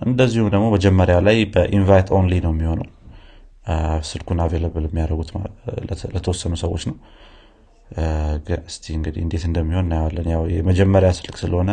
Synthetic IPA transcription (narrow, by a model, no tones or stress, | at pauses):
ʔɨnd̪əzːihumd̪əɡmo̞bəd͡ʒɛmːəɾjawlajbəʔinvajt̪ʰo̞nlinəwjɛmːiho̞naw | sɨlkʰunaveləβlɛmːijaɾəɡut̪ | lət̪ʰəwɔsːənusəwo̞t͡ʃːnəw | ɡɨɨst̪ʰiɨŋɡɨd̪ihɨ̰nd̪et̪ɨnd̪əmːiho̞nːajwalːənjawjɛməd͡ʒɛmːəɾjasɨlksɨləho̞nə